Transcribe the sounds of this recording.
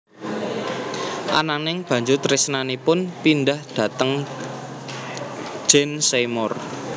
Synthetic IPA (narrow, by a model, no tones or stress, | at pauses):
ʔa̰nanɪŋb̥ä̤ɲd͡ʒʊrt̪rɪsnanipʊnpindahd̪̥ä̤t̪əŋ | d͡ʒ̥ɛnsemɔr